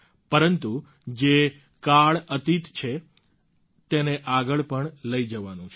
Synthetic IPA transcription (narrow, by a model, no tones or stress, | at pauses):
pəɾənt̪u | d͡ʒe | kaɭət̪it̪t͡ʃʰe | t̪eneʔaɡəɭpəɳləid͡ʒəʋanũt͡ʃʰ